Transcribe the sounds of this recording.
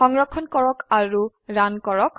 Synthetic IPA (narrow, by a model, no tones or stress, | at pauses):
xɔŋɹɔkʰːɔnkɔɹɔkaɹu | ɹankɔɹɔk